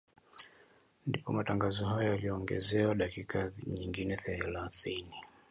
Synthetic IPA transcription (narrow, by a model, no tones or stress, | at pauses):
ndipɔmataŋɡazɔhajɔjalijɔːŋɡɛ̰zɛwaɗakikʰaɲiŋɡinɛθɛlaθini